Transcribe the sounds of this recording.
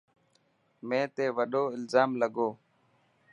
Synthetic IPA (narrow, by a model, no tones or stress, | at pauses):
mẽːt̪eːʋəɗoːɪlzaːmləɡoː